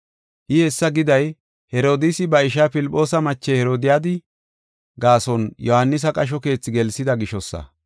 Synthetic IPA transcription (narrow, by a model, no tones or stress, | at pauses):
ʔɪhɛsːɐɡɪd̪ɐj | hɛɾo̞ːd̪ɪsɪbɐɪʃaːpɪlpʼːo̞ːsɐmɐt͡ʃːehɛɾo̞ːd̪ɪjaːd̪ɪ | ɡaːsɔnjɔhɐnːɪs̬ɐkʼɐʃ̬ɔke̞ːt͡sːɪɡɛlsɪd̪ɐɡɪʃɔsːɐ̰